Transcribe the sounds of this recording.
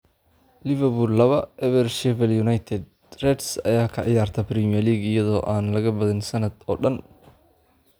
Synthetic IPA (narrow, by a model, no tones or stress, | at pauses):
lɪvɐbʊrlɐβɐʔɛβɛrʃɛvɛljunajt̪ʰɛd̪̚ | rɛdsɐ̰jaːkʰɐʕɪjaːrt̪ʰɐpɾɛmijɛrliːɡɪjɐðɔːʔaːnlɐɣɐbɐðɪnsɐnɐd̪ɔːɖɐn